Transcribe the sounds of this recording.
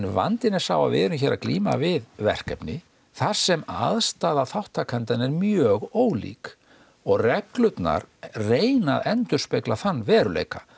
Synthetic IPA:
nva̰nt̪ɪnɛ̥saːwva̰vɪ̰ɾʏmçɛɾʔakliːma̰vɪðvɛ̰r̥kɛpnɪ | θar̥sɛma̰ðst̪aːðaθawht̪ʰːakʰɛnt̪anɛɾmjœːɣoːwlḭːk | ɔɣrɛklʏt̪na̰ɾ̥reːjna̰ðɛnt̪ʏ̥spejklaθanːvɛːɾʏlḛjka

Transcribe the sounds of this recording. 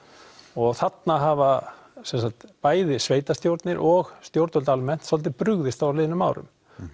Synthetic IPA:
ɔɣθat̪naɦava | sɛnsakt̪paːjðɪsveːjt̪ast̪jowɾt̪nɪɾʔɔɣst̪jowɾt̪œlt̪almɛn̥t̪sɔlt̪ɪpɾʏɣðɪst̪aɾlɪːðɪnʏmːa̰wɾʏ̰m

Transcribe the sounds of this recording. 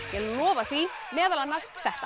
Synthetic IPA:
jɛɣlɔːvaθvi | mɛːðalanːasθɛht̪a

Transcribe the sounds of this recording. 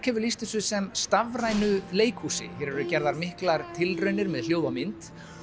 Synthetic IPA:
kʰɛvʏlist̪ʏsʏsɛmst̪avraːjnʏleːjkhuːsɪ̰çɛɾɛɾʏcɛɾðaɾmɪhklaɾt̪ʰɪlrœɥnɪɾmɛðljoːwðamɪnt̪

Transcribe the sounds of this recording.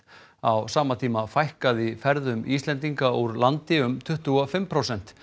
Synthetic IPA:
awsaːmat̪ʰiːmafajhkaðifɛɾðʏmist̪lɛnt̪̬iŋkauɾlant̪ɪʏmt̪ʰʏht̪uɔfɪmpʰɾaːwsɛn̥t̪

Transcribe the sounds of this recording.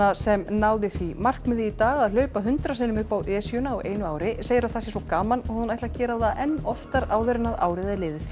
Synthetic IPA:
asɛmnaːwðɪθvimar̥kmɛðɪit̪aːɣaðlœːɥpaɦʏnt̪ɾas̬ɪnʏmʏhpawʔɛːsjʏnaːwʔeːjnʏaːwɾɪseːjɪɾaθasjɛsɔkaːmanhunajt̪lacɛːɾaθaʔɛnːɔft̪aɾaːwvɛɾɪnaðaːwɾɪðɛleːðɪθ

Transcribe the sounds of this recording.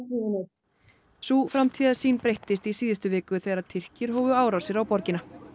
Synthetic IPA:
iɪnɪ | sufɾamt̪ʰiːðasiːnpɾejht̪ɪst̪isiːðɪst̪ʏvɪːkʏθejɣðɾaðt̪ʰɪr̥cɪɾ̥ɦɔːvʏaːwɾawsɪɾawpɔɾcɪna

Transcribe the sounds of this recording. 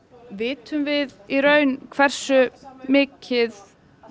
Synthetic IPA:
vɪːt̪ʏmvɪðiɾœɥnkʰv̥ɛr̥sʏmɪːcʰɪð

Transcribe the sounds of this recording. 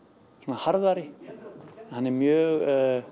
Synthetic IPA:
soːnahaɾðaɾɪ | ɛnhanːɛɾmjœːɣ

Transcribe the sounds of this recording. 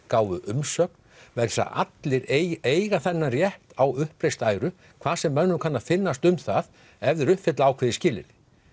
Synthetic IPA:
kaːwvʏʔʏmsœːk̚n | vɛɾ̥sa̰ʔa̰t̪lɪɾeːjɣaθɛnːarjɛht̪awʏhpɾejst̪aːjɾʏ | kʰv̥aːðsɛmːœnːʏkʰanːafɪnːast̪ʏmθað | ɛvðɪɾʏhpfɪt̪laaːwkʰvɪːðɪscɪːlɪ̰nɪ

